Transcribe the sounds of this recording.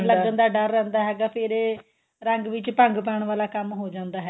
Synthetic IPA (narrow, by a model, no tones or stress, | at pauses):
ləɡənd̪aːɖəɾːɛ̃ːnd̪aːɦɛːɡaːpʰɪɾ | ɾəŋɡʋɪt͡ʃpəŋɡpɛːɳ̃ʋaːlaːkəmɦoːd͡ʒãːnd̪aːɦɛː